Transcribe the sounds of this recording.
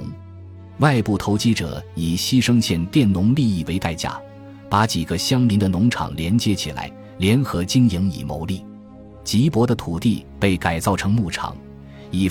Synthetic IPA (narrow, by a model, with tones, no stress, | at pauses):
wa˥˧ɪpu˥˩t̪ʰo˧˥ʊt͡ɕi˥ʈ͡ʂɤ̰˨˩i˨˩ɕi˥ʂɤ˥ŋɕʰjɛ˥˧˩nt̪jɛ˥˩nnʊ˧˥ŋli˥˧i˥˩we˧˥ɪt̪a˥˧ɪt͡ɕja̰˥˩ | pa˧˥t͡ɕi˨˩ɡə˦ɕjɑ˥ŋli˧˥nd̪ə˨nʊ˧˥ŋʈ͡ʂʰɑ̰˨˩ŋljɛ˧˥nt͡ɕjɛ˧˥t͡ɕʰi˨˩la̰˧˥ɪ | ljɛ˧˥nxɤ˧˥t͡ɕi˥ŋji˧˥ŋḭ˨˩mo̰˧˥ʊli˥˩ | t͡ɕi˧˥pwɔ˧˥d̪ə˧t̪ʰu˨˩t̪i˥˧pe˥˩ɪka˨˩ɪt͡sɑ˥˩ʊʈ͡ʂʰɤ˧˥ŋmu˥˩ʈ͡ʂʰɑ̰˨˩˦ŋ | i˨˩